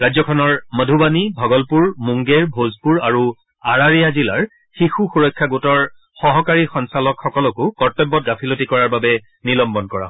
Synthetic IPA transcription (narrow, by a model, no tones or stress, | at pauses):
ɹajzɔkʰɔnɔɹmədʱubanibʱɔɡɔlpuɹmuŋɡeɹbʱozpuɹaɹu | aɹaɹijazilaɹ | xixuxuɹɔjkʰːaɡutɔɹ | xɔɦɔkaɹixɔnsalɔkxɔkɔlɔkʊkɔɹtɔbːɔt̚ɡapʰilotikɔɹaɹbabɛ | nilɔmbɔnkɔɹa̰